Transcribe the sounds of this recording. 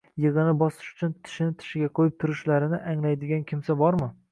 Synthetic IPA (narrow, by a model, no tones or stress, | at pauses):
jɨʁɨnɪbɒsɪ̥ʃʊ̥t͡ʃʰʊnt̪ʰɪ̥ʃɪnɪt̪ʰɪ̥ʃɪɡʲaqʰojɪp̚t̪ʰʊɾɪʃlaɾɪnɪʔaŋlajd̪ɪɡʲankʲʰɪmsabɒɾmɪ